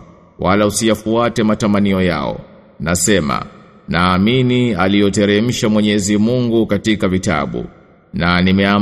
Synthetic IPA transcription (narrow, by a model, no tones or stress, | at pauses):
wʔalausijafuatɛmatamaniɔja̰ɔ̰ | nasɛma̰ | naːminialiɔtɛɾɛm̩ʃamwɛɲɛzimuŋɡukatikavita̰ɓṵ | nanimɛa